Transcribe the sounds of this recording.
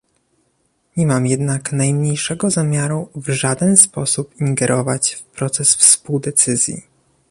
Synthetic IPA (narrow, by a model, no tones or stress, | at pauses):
ɲɛmamjɛd̪naknajmɲejʂɛɡɔzamʲjaɾuvʐad̪ɛnspɔsupiŋɡɛɾʔɔvat͡ɕfpɾɔt̪sɛsfspuwd̪ɛt̪sɘzʲjḭ